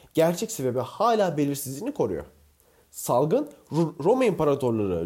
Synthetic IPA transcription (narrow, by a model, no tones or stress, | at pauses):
ɟ̥æɾt͡ʃʰɛcʲse̞be̞bihaːlʲaːbe̞lʲiɾsizʲinikʰo̞ɾṵjo̰ | salˠɡɯnɾo̞maimpaɾat̪ʰo̞ɾlˠaɾɯ̰